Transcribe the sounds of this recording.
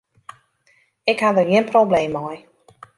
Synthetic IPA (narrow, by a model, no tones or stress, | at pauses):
ɪkhadərjiənprobleːmɔj